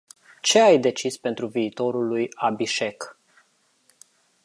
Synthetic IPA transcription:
t͡ʃe̞ajd̪e̞t͡ʃispe̞nt̪ɾuviːt̪o̞ɾulujabiʃe̞k

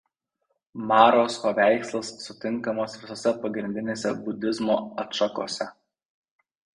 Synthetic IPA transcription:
mɑːɾoːspɐʋʲæˑɪkslˠɐsːʊt̪ʲɪŋˑkɐmoːsʋʲɪsoːsʲɛpɐɡɾʲɪnʲd̪ʲɪnʲeːsʲɛbʊd̪ʲɪzmoːɐt̪ʃɐko̰ːsʲɛ

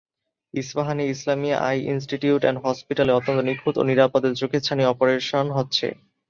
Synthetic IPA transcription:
isbaɦaniislamia̰ʔa̰jḭns̬ʈiʈiuʈɛ̰nɖɦɔspiʈaleɔt̪ːont̪onikʰut̪o̰niɾapod̪eɾd͡ʑokʰet͡ɕʰaniɔpoɾeʃonɦotːɕʰḛ

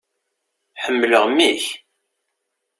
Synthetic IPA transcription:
ħəmːələʁmːiç

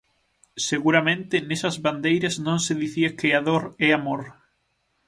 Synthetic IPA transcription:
seɣuɾamẽnt̪ɪnesɐzβand̪ejɾɐznõnseðiθiakɪaðoɾɛamoɾ

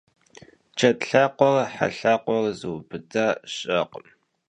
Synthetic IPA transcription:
t͡ʃʰɐtɬaqʷɔrħa̰ɬaqʷɔrzɨwbɨdaːɕʼɐqəm

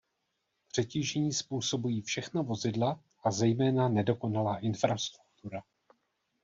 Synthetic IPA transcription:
pr̝̥ɛciːʒɛɲiːspuːso̞bujiːfʃɛxnavo̞zɪdla | ʔazɛjmɛːnanɛdo̞ko̞nalaːʔɪnfɾast̪ɾuk̚t̪uɾa

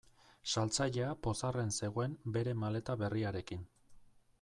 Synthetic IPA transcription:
salt͡saʎe̞apo̞sare̞nse̞ɣ̞o̞embe̞ɾe̞male̞t̪aβe̞riaɾe̞kin

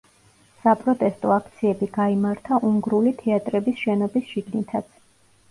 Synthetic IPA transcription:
sapʼɾɔt̪ʼɛst̪ʼɔakʰt̪sʰiɛbiɡaimaɾt̪ʰaʔuŋɡɾulit̪ʰɛat̪ʼɾɛbisʃɛnɔbisʃiɡnit̪ʰat̪sʰ

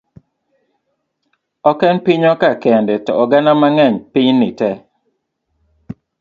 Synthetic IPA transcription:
ɔkɛnpiɲɔkakɛndɛtɔɔɡanamaŋɛɲpɪɲnɪtɛ

